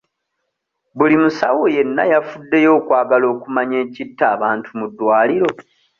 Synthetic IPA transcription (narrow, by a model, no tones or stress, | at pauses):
bulimusawoje̞nːa̰jafudːe̞jo̞ːkwaːɡalo̞ːkumaɲe̞ːcitːaːβaːntumudːwaːliɾo̞